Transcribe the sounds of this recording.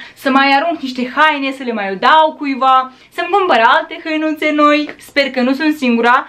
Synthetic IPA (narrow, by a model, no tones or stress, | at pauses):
səmajaɾuŋkniʃt̪e̞xajnesəle̞majod̪awkujva | səmkumpəɾalt̪e̞xəjnut̪senojsperkənusunt̪siŋɡuɾa